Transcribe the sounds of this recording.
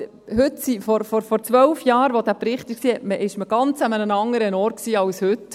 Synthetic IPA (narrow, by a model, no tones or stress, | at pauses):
hʉtsifɔɾfɔɾfɔɾt͡sʋœlfjɑːɾʋod̥̪æːpɾɪχtɪksiːɛtməʔɪʃməɡ̥ɑnt͡səmənənɑŋəɾənɔːɾt̚ksiːɑwshɵt